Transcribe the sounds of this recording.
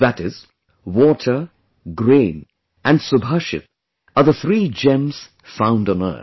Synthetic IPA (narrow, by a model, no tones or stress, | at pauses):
ðəɾɪz̥ | wɔtʰə˞ | ɡɹẽːn | ʔɨ̃nsəbɦʌʃɨ̰t | əðəθɹiːd͡ʒɛ̃mz̥ | fãʊ̃ndn̩ɜ̰˞